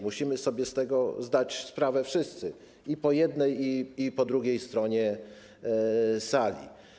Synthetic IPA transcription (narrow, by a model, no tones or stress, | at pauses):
muɕimɘsɔbʲjɛst̪ɛɡɔzd̪at͡ɕspɾavɛfʂɘst̪sɘ | ipɔjɛd̪nɛjiipɔd̪ɾuɡʲejst̪ɾɔɲɛ | salʲḭ